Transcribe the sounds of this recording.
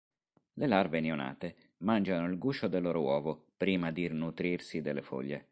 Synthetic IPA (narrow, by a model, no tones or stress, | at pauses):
lelarveneona̰ːt̪e | mand͡ʒanoilɡuːt͡ʃod̪elːoɾowɔːvopɾiːmad̪iirnut̪ɾirsid̪elːefo̰ʎːe